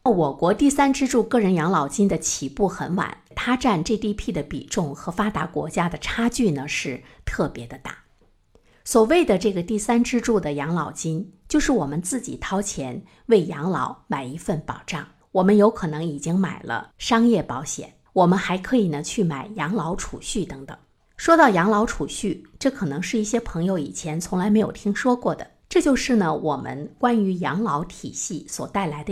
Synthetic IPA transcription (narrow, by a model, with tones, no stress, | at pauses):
wɔ˨˩kwɔ˧˥t̪i˥˩sa˥nʈ͡ʂɻ̩˥ʈ͡ʂu˥˧kɤ˥˩ɻə˧˥njɑ˧˥ŋlɑ˧˩ʊt͡ɕi˥nd̪ə˨t͡ɕʰi˨˩pu˥˩xə˧˥nwa̰˨˩˦nt̪ʰa˥ʈ͡ʂa˥˧nʈ͡ʂɤ˥˧t̪i˥˧pʰi˥˩d̪ə˩pḭ˨˩ʈ͡ʂʊ˥˩ŋxɤ˧˥fa˥t̪a˧˥kwɔ̰˧˥t͡ɕja˥d̪ə˨ʈ͡ʂʰa˥t͡ɕy˥˩nə˩ʂɻ̩˥˧t̪ʰɤ˥˩pjɛ˧˥d̪ə˧t̪a̰˥˩ | swɔ˨˩we˥˩ɪd̪ə˩ʈ͡ʂɤ˥˩ɡə˩t̪i˥˩sa˥nʈ͡ʂɻ̩˥ʈ͡ʂu˥˩d̪ə˩jɑ˧˥ŋlɑ˨˩ʊt͡ɕi˥nt͡ɕjo˥˧ʊʂɻ̩˥˩wɔ˨˩mə˦nt͡sɹ̩˥˩t͡ɕḭ˨˩t̪ʰɑ˥ʊt͡ɕʰjɛ˧˥n | we˥˩ɪjɑ˧˥ŋlɑ˧˥ʊma˨˩ɪi˧˥fə˥˩npɑ˨˩ʊʈ͡ʂɑ̰˥˩ŋ | wɔ˨˩mə˦njo˧˥ʊkʰɤ˨˩nɤ˧˥ŋi˨˩t͡ɕi˥ŋma̰˨˩ɪlə̰˦ʂɑ˥ŋjɛ˥˩pɑ˧˥ʊɕjɛ̰˨˩˦n | wɔ˨˩mə˧˦nxa˧˥ɪkʰɤ˧˥i˨˩nə˧˦t͡ɕʰy˥˩ma˨˩ɪjɑ˧˥ŋlɑ˧˥ʊʈ͡ʂʰṵ˨˩ɕy˥˩t̪ɤ˧˥ŋt̪ɤ̰˨˩˦ŋ | ʂwɔ˥t̪ɑ˥˩ʊjɑ˧˥ŋlɑ˧˥ʊʈ͡ʂʰu˨˩ɕy˥˩ʈ͡ʂɤ˥˩kʰɤ˨˩nɤ˧˥ŋʂɻ̩˥˧i˥˩ɕjɛ˥pʰɤ˧˥ŋjo˧ʊḭ˨˩t͡ɕʰjɛ˧˥nt͡sʰʊ˧˥ŋla˧˥ɪme˧˥ɪjo̰˨˩ʊt̪ʰi˥ŋʂwɔ˥kwɔ˥˩d̪ə̰˩ʈ͡ʂɤ˥˧t͡ɕjo˥˧ʊʂɻ̩˥˩nə˩wʔɔ̰˨˩mʔə̰˦nkwa˥ny˧˥jɑ˧˥ŋlɑ˧˥ʊt̪ʰḭ˨˩ɕi˥˩swɔ̰˨˩t̪a˥˩ɪla˧˥ɪd̪ə˧